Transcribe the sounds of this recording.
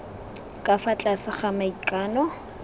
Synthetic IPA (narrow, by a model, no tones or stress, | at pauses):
kʼafat͡ɬʼasɪχamaikʼaːnɔ